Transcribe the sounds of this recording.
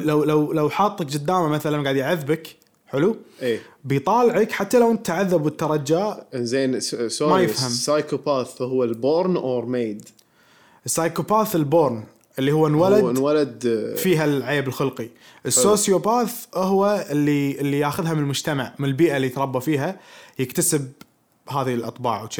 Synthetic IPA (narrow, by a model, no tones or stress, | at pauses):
lawlawlawħɑːt̪ˤːɑkd͡ʒɪd̪ːaːmamaθalanɡaːʕad̪jʕɪðːbak | ħɪlueːbit̪ˤɑːlʕakħat̪ːalawɪnt̪ːaʕaðːabwɪt̪ːɑɾˤɑd͡ʒaːʔzeːnsomajɪfhamsajkopaːθʔʊhwalboːɾˤnoːɾˤmeːd̪ | ʔɪsːaːjkopaːθɪlboːɾˤn | ʔɪlːihʊwːanwaladwalad̪fiːɦalʕaːbəlxʊlqi | ʔəsːoːsjopaːθʔʊɦwaɪlːiɪlːijaːxʊðɦamɪnəlmʊd͡ʒt̪amaʕmɪnəlbiːʔalːit̪ɾˤɑbːafiːɦajɪkt̪asɪb̚ | ɦaːðilʔɑt̪ˤbɑ̰ːʕwʃ